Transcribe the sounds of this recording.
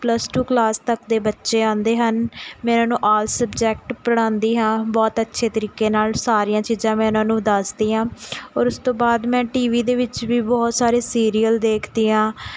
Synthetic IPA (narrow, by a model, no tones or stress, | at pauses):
pləsʈuːklaːst̪əkd̪eːbətːʃeːãːnd̪eːɦənmɛ̃ːnãːnũːʔaːlsəbd͡ʒɛːkʈpəɽ̃ãːnd̪iːɦãːbɔːt̪ətːʃʰeːt̪əɾiːkeːnaːlsaːɾijãːt͡ʃiːzãːmɛ̃ːɪnãːnũːd̪əsd̪iːɦãːɔːɾʊst̪õːbaːd̪mɛ̃ːʈiːʋiːd̪eːʋɪt͡ʃʋiːbɔːt̪saːɾeːsiːɾiːəld̪eːkʰd̪iːãː